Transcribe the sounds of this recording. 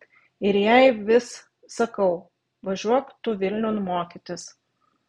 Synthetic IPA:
ɪɾjɛɪʋʲɪsː | ɐkɐʊ | ʋɐʒʲuɔkt̪ʊʋʲɪlʲnʲɛʊnmoːkʲɪt̪ʲɪs

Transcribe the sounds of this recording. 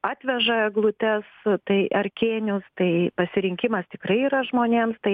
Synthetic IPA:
ɑːt̪ʲʋʲɛʒɐɡlˠʊt̪ʲɛst̪ɐɪʔɐrʲkʲeːnʲʊst̪ɐɪpɐsʲɪɾʲɪŋʲkʲɪmɐst̪ʲɪkɾɐɪiːɾɐʒmoːnʲeːmst̪ɐɪ

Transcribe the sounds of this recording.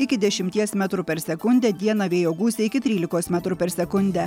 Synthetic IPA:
ɪkʲɪd̪ʲɛʃʲɪmʲt̪ʲiɛsmʲæt̪ɾupʲɛɾsʲɛkʊnʲd̪ʲɛd̪ʲiɛnɐʋʲeːjoːɡuːsʲɛɪkʲɪt̪ʲɾʲiːlʲɪkoːsmʲæt̪ɾʊpʲɛɾsʲɛkʊnʲd̪ʲæ

